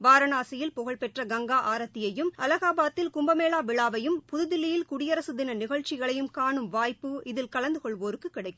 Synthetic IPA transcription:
baːɾɐnaːsɐjɪlpʊɣɐɭpɛʈrɐɡɐŋɡaːʔaːɾɐt̪ːɪjɐjɯmʔɐlɐɣaːbaːt̪ːɪlkʊmbɐmeːlaːʋɪɭaːʋɐjɯmpʊðɯðɪlːɪjɪlkʊɽɪjɐɾɐsɯðɪnɐnɪɣɐɭt͡ʃːɪɣɐɭɐjɯmkaːɳɯmʋaːjpːɯɪðɪlkɐlɐnd̪ɯkɔɭʋoːɾɯkːɯkːɪɽɐɪkːɯm

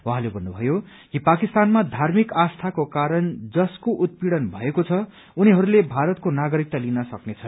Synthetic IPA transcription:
uɦãlebʱʌnːubʱʌjo | kipakist̪anmad̪ʱarmikast̪ʰakokaɾʌnd͡zʌskoʔut̪̚piɽʌnbʱʌ̰ekot͡sʰʌ | uniɦʌɾulebʱaɾʌt̪̚konaɡʌɾik̚t̪alinʌsʌknet͡sʰʌ

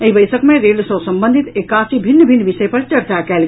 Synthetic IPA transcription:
əibəsəkmeɾelsəsəmbənd̪ʱit̪ekasibʱinːbʱinːbisəjpəɾt͡ʃəɾt͡ʃakɛl

